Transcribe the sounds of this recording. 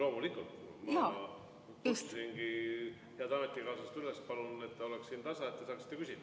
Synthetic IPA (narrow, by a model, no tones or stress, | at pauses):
lo̞ːmulikult̪mɑ | t̪ussiŋɡi | heæd̪ɑme̞t̪ːˑikɑːsɑst̪ylespɑlune̞t̪ːeo̞lekssiːnt̪ɑsɑe̞t̪ːesɑːksi̥t̪ːe̞kysʲid̪̥ɑ